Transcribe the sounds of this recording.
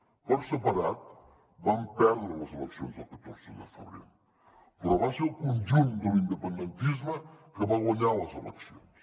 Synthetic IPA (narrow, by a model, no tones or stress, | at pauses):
pɔɾsəpɐɾat̪̚ | bampɛɾðɐlɐzelˠəksjo̰nzɐkɐt̪oɾsəðd̪ə̰fə̰βɾḭlˠ | pɾɔβaselkũnʒũnt̪d̪əlĩnd̪əpə̃nd̪ent̪izmɐkəβaɣɐɲalɐzelə̰ksio̰ns